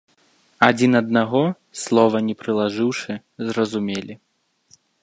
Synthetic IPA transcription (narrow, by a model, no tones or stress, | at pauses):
ad͡zʲinɐd̪̚naɣɔ | slˠɔvɐnʲɛpɾɨlˠaʐɨwʂɨ | zrɐzumʲelʲi